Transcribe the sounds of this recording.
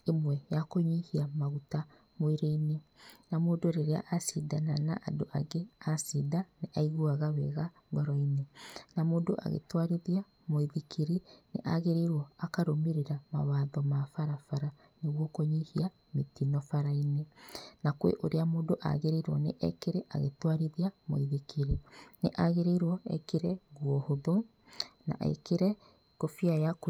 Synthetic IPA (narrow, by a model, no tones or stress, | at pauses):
emwɛjakoɲihiamaɣuta | moeɾeinenamoːndoɾeɾea̰ʔasiðanana̰ʔadoʔaɣeasiðaneʔaiɣuaɣawɛ̰ɣa | ɡɔɾɔinenamoːndoʔa̰ɣḛtwaɾiðia | moiðikʰiɾinḛʔa̰ɣeɾeɾwɔakaɾomiɾeɾamawaːðɔmafaɾafaɾa | neɣwɔkoɲihia | metinɔfaɾainenakwḛʔoɾeamoːdoʔa̰ɣeɾeiɾwɔnḛʔɛkeɾeʔaɣḛtwaɾiðiamo̰iðikeɾineʔaɣeɾeɾwɔɛ̰keɾɛɣwɔhoðo | na̰ɛ̰keɾɛ | kofiajak